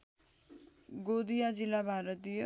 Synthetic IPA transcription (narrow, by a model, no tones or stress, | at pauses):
ɡod̪ijad͡zilːabʱaɾʌt̪ijʌ